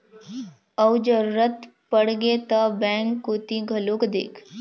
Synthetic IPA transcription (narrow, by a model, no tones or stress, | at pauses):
əwd͡ʒəɾuɾət̪pəɽɡet̪ɐbɛ̃ŋkːot̪iɡʱəlokd̪ḛːkʰ